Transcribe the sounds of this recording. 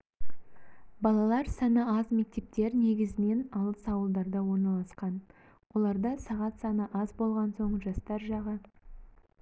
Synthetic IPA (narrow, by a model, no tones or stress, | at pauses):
bɑlˠɑlˠɑɾsɑnəɑzme̞k̚t̪e̞p̚t̪e̞ɾne̞ɡʲɪzɪne̞nɑlˠəsɑwəlˠd̪ɑɾd̪ɑwo̞ɾnɑlˠɑsqɑn | wʔo̞lˠɑɾd̪ɑsɑʁɑt̪sɑnəʔɑzbo̞lˠʁɑnso̞ɴʒɑst̪ɑɾʒɑʁə